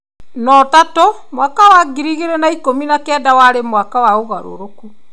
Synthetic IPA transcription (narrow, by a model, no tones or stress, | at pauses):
nɔtato | mwakawaɡiɾiɣeɾɛnaikominakɛdawaɾemwakawaoɣaɾo̰ɾoku